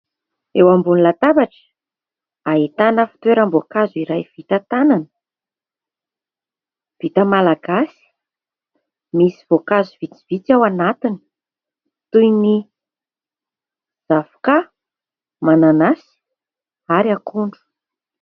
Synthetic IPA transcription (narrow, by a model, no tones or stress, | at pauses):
ewambunilat̪abaʈ͡ʂə̥ | aɦit̪anəfi̥t̪weɾəmbokazuiɾajv̥it̪ət̪ananə̥ | v̥it̪əmalaɡasi̥ | misivokazuvit͡si̥v̥it͡sawanat̪ini̥ | t̪ujni | z̥avu̥ka | mananasi̥ | aɾiakuɳɖ͡ʐu̥